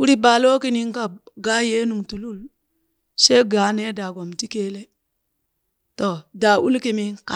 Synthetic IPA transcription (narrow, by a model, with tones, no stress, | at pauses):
ku˦ɾi˦baː˨lo˦ki˦ni˦ŋ˦ka˦bɡa˦je˦nu˨ŋtu˨lu˦˨l | se˦ɡa˨˦ne˦da˨ɡo˨mti˦ke˦le˦ | to˨da˨ʔu˦lki˨mi˦ŋka˨